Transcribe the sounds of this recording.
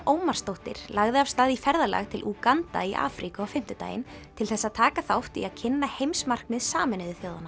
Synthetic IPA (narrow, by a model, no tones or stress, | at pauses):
oːwmarst̪owht̪ɪ̰ɾ̥laɣðɪav̥st̪aːðifɛɾðala̰ɣt̪ʰɪlʔukant̪a̰iʔa̰ːfɾikaawfɪm̥t̪ʏt̪a̰ːjɪ̰nt̪ʰɪlθɛsːaðt̪ʰaːkaθaoht̪ḭaðcʰɪnːahejmsmar̥kmɪðsaːmɪnɪðɪθjowðanːa